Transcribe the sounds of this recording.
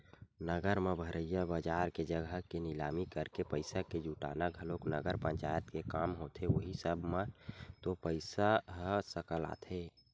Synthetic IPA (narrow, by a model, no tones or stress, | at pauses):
nəɡəɾmebʱəɾəjabəd͡ʒaɾked͡ʒəɡʱəkenilamikəɾkepəɪsaked͡ʒuʈa̰ːnaɡʱəloknəɡəɾpəɲt͡ʃajət̪kekamɦot̪ʰeoɦisəbʱmet̪opəɪsaɦəsəkəla̰t̪ʰe